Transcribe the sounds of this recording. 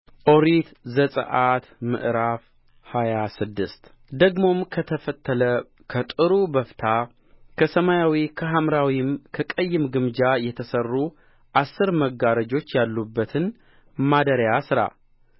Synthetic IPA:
ʔoɾit̪zəsʼə̰ʔat̪mɨ̰ʔɾaf | hajasɨd̪ːɨst̪ | d̪əɡmo̞mkʰət̪ʰəfət̪ʰːələ | kʰət̪ʼɨɾubəft̪ʰa | kʰəsəmajawikʰəɦamɾawimkʰəkʼəjːɪmɡɨmd͡ʒajɛt̪ʰəsərːu | ʔasːɨɾməɡːaɾəd͡ʒo̞t͡ʃːjalːubːət̪ʰɨn | mad̪əɾjasɨɾa̰

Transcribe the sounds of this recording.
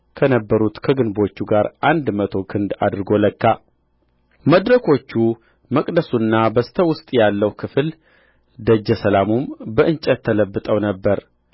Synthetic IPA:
kʰənəbːəɾut̪kʰəɡɨnbo̞t͡ʃːuɡaɾʔand̪mət̪ʰo̞kʰɨnd̪a̰d̪ɾɡo̞ləkːa | məd̪ɾəkʰo̞t͡ʃːu | məkʼd̪əsunːabəst̪ʰəwʊst̪ʼjalːəwkʰɨfl | d̪əd͡ʒːəsəlamumbəʔɨnt͡ʃʼət̪ʰːələbːɨt̪ʼəwnəbːəɾ

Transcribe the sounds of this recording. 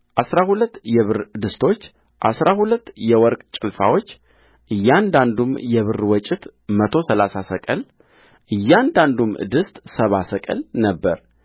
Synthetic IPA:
ʔasɾahulət̪ːjɛβɨɾd̪ɨst̪ʰo̞t͡ʃː | ʔa̰sɾahulət̪ːjɛwɔɾkʼt͡ʃʼɪlfa̰wo̞t͡ʃː | ʔɨjːand̪and̪umjɛβɨɾwɔt͡ʃʼɪt̪mət̪ʰo̞səlasasəkʼəl | ʔɨjːand̪and̪um̰d̪ɨst̪ʼsəβasəkʼə̰lnəbːəɾ

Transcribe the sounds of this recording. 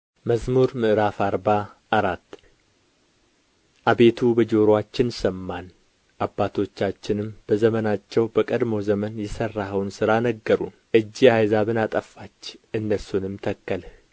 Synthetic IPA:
məzmuɾmɨʔɾafaɾbaː | ɾat̪ː | ʔabe̞t̪ʰubəd͡ʒo̞ɾwat͡ʃːɪnsəmːan | ʔabːat̪ʰo̞t͡ʃːat͡ʃːɪnɨmb̥əzəmənat͡ʃːɛwbəkʼəd̪mo̞zəmənjɛsərːaɦəwnsɨɾanəɡːəɾṵnʔɨd͡ʒːiajzaβɨnat̪ʼəfat͡ʃːɨnːəsːunɨmt̪ʰəkːəl

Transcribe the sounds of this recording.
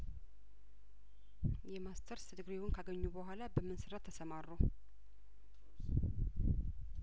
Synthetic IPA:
jɛmast̪ʰəɾsɨd̪ɨɡɾewʊnkʰaɡəɲːubəɦʷalabəmːɨnsɨɾat̪ʰːəsəmarːuw

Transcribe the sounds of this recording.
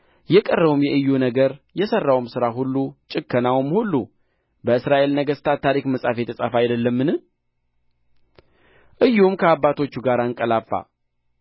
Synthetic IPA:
jɛkʼərːəβumjɛʔɨjːunəɡəɾjɛsərːawmsɨɾaɦulːut͡ʃʼɨkʰːənawmhulːu | bəɨsɾaʔe̞lnəɡəst̪ʰat̪ʰːaɾikməsʼafet̪ʰəsʼafajd̪əlːəmːɨnɨ | ʔɨjːumkʰəabːat̪ʰo̞t͡ʃːuɡaɾaɨŋkʼəlafːa̰

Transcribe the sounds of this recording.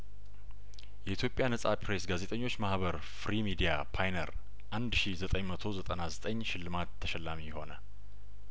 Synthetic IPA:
jɛʔit̪ʰjo̞pʼjanəsʼapʰɾesɡaze̞t̪ʼəɲːo̞t͡ʃːmahβəɾ | fɾimid̪ijapʰajnəɾ | ʔand̪ʃizət̪ʼəɲmət̪ʰo̞zət̪ʼənazət̪ʼəɲːʃɪlːɨmat̪ʰːəʃɛlːamijho̞nə

